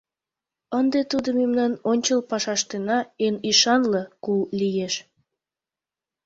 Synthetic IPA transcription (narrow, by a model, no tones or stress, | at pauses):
ənd̪et̪ud̪omemnɑnonʲt͡ɕəlpɑʃɑʃt̪enɑeniʃɑnlekulijeʃ